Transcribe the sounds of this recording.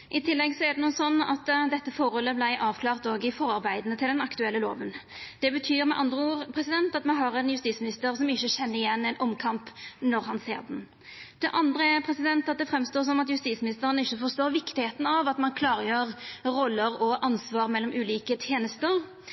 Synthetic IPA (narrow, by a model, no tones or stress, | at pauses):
ʔɪt̪ʰɪlːɛɡsɔɛʁd̪ɛnuːəsɔnːɑ̰t̪d̪ɛt̪ːəfɔɾhɔlːəblæɪʔɑːʋkʰlɑːʁt̪oːɡəɪfɔɾɑɾbæɪd̪nət̪ʰɪld̪ɛnɑkt̪ʉɛlːəlo̰ːʋənd̪̥ɛbət̪ʰyːɾmɛʔɑnd̪ɾəuːʁpʰʁɛsɪd̪ɛnt̪ɑt̪mɛɦɑʁɛnjʉst̪iːsmɪnɪst̪əɾsɔmɪçːəɕɛnːəɾɪjɛnːɛɪnʔɔmkʰɑmpnɔɾɦɑnsḛːʁd̪ɛn | d̪̥ɛʔɑnd̪ʁəɛpʰɾɛsɪd̪ɛnt̪ɑt̪̚d̪ɛfɾɛmst̪oːs̬ɔnɑt̪jʉst̪iːsmɪnɪst̪əɾənɪçːəfɔst̪oːɾʋɪkt̪ɪheːt̪n̩ɑʋɑt̪mɑnkʰlɑːɾəjøːʁɾɔlːəɾɔʔɑnsʋɑːʁmɛlːɔmʔʉːliːkət̪ʰjeːnəst̪əʁ